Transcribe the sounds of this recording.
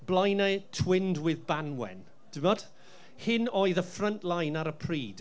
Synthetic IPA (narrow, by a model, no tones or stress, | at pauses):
blˠajnɛtʰwɪndwɪðbanwɛ̰n | d̥ɪmnɔd̥ | hɪnɔɨðəfrəntlˠajnaɾəpʰriːd̥